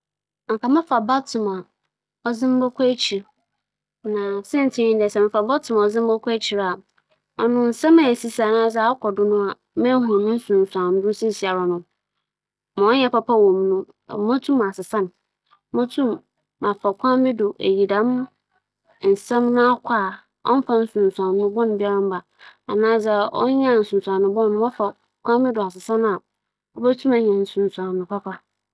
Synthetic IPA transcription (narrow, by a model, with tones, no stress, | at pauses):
ŋ̩˨ka˨mɪ̃˦fa˨ba˦tʰʊ̃˨ma˨ | ɔ˦zɪ̃˦m̩˦bɔ˦kʰɔ˦e˦t͡ɕʰi˨ɾ | nã˨sɛ̃˦n̩˨tʰĩ˦ɲĩ˦n˦dɛ˨sɛ˨mɪ̃˨fa˨ba˦tʰʊ̃˨m˨ɔ˨zɪ̃˦m̩˦bɔ˦kʷʰa˦e˦t͡ɕʰi˨ɾa˨ | ɔ˨nʊ̃˦n̩˨sɛ̃˦mɛ̃˨e˨si˦sa˨nã˦sa˨˦ɔ˦kʰɔ˨dʊ˦nʊ̃˦a˨ | mɛ̃˦ɦũ˨nʊ̃˦n̩˦sũ˨n̩˨sã˨n̩˦dʊ̃˦n˦sɪ̃˦˨si˨a˨ɾa˨nʊ̃˦ | mã˨ɔ˦ɲɛ˦pa˦pʰa˦wɔ̃˨mnʊ̃˦˨ | mɔ̃˦tʰũ˦m˨a˨sɪ˨sã˦n˦ | mɔ̃˦tʰũ˦mː | ã˨fa˨kʷʰã˦m˦bɪ˦dʊ˨ʔḛ˨ji˨da˦mʊ̃˦ | n̩˨sɛ̃˦mnʊ̃˦a˦kʷʰa˦˨ | ɔ̰˦m˦fa˦n̩˦sũ˨n˨sã˨n˦ʊ̃˦bɔ̃˦ñ˨bi˦a˦ɾã˦m˦ba˨ | a˨nãː˦sɛ˦˨ʔɔ̰˦ɲã˦˨n̩˨sʊ̃˨n˨sã˨nʊ̃˨bɔ̃˦n˨˦ɔ˦fa˨ | kʰʷã˦mbɪ˦dʊ˨a˨sɪ˨sã˦n˦a˨ | ɔ˦bɛ˦tʰũ˦ma˨ɲɛ̃˨n̩˨sũ˨sã˨nʊ̃˨pʰa˦pʰa˦